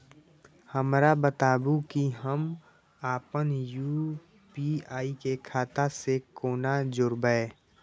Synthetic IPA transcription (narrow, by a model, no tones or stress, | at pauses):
həmɾabət̪aːbukiɦəm | aːpənjuː | piaːikekʰaːt̪asekoːnad͡ʒʊɾbəeː